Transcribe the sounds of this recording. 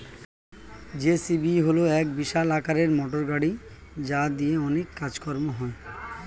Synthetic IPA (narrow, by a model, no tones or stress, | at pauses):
d͡ʑesibiɦoloɛk̚biʃalakaɾeɾmɔʈoɾɡaɽi | d͡ʑad̪ijeɔnekːad͡ʑkɔɾmoɦɔe